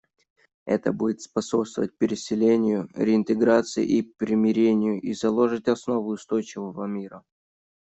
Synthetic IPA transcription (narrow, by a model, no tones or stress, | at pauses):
ɛ̰t̪əbudʲɪt̪spɐso̞pst̪vəvət̚ʲpʲɪɾʲɪsʲɪlʲenʲɪjʊɾʲɪɪnt̪ɨɡɾat̪sɨɪ̰ʔipɾʲɪmʲɪɾʲenʲɪjʊʔizɐlˠo̞ʐɨtʲɐsno̞vʊʊst̪o̞jt͡ɕɪvəvəmʲiɾə